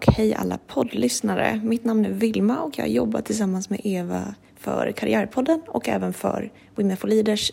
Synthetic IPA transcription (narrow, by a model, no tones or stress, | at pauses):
khɛjʔa̰lːapʰɔd̪lʏsnaɾə̰mɪt̪namnæɾvɪlmaɔkjɑ̰ːɡajɔbːat̪ʰːɪlsamːansmɛːʔeːva | fœ̰ɾkʰaɾɪ̰æːɾpʰɔd̪ːənɔkɛ̰ːvənfœɾ | wɪnəfʊliːd̪əʂ